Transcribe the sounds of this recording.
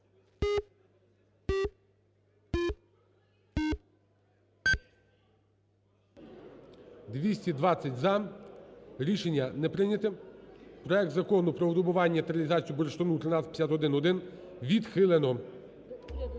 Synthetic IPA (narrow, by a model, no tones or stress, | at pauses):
d̪ʋʲisʲtʲid̪ʋɑt͡sʲːɐtʲzɐ | ɾʲiʃenʲːɐnɛpɾɪnʲɐt̪ɪpɾɔɛk̚t̪zɐkɔnʊpɾɔɔd̪ʊbʊʋɑnʲːɐt̪ɾʲɐlʲizɑt͡sʲijubɔɾeʃt̪ɔnut̪ɾɪnɑtʲt͡sʲɐ̥tʲpʲːjʲat̪ɔd̪ɪnɔd̪ɪn | ʋʲid̪xɪlˠenɔ